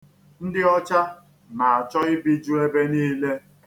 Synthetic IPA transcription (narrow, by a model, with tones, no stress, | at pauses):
n̩˦dɪ˦ɔ˦t͡ʃa˦ | na˨a˨t͡ʃɔ˦ɪ˦bi˦d͡ʒu˦e˦be˦niː˦le˦